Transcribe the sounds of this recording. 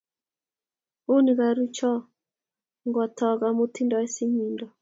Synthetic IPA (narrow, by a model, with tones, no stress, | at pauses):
o˦ni˨ɡa˨ɾu˦t͡ʃɔ˦ | ŋɡɔ˨tʰɔ˨ɡa˨mo˦ti˦ndɔ˨ɛ˦si˦ɲi˨ndɔ˨